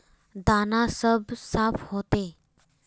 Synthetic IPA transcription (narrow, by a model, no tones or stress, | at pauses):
d̪anasəbsafhot̪e